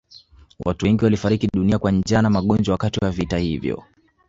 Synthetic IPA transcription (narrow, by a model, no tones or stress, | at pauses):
wʔatuɛŋɡiwalifaɾikiɗuniakwand͡ʒanamaɠɔnd͡ʒɔwakatiwavitahivjɔ̰